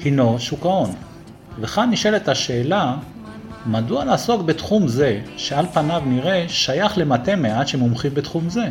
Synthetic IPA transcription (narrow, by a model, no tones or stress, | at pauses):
hino̞ʃukao̞n | veχanːiʃeletaʃe̞ːla | madualaːso̞kbetχumze̞ʃealpanavniʁe̞ʃajaχle̞mate̞meadʃemumχimbetχumze̞